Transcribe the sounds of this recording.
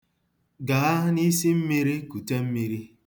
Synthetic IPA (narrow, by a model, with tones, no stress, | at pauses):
ɡa˨a˦ni˦si˦m̩˦mi˦ɾi˦ku˨te˦m̩˦mi˦ɾi˦